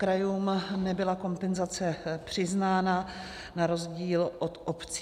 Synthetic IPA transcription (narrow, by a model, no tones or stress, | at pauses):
kɾajuːmnɛbɪlako̞mpɛnzat͡sɛpr̝̥ɪznaːna | naɾo̞zɟiːlʔot̪ʔopt͡s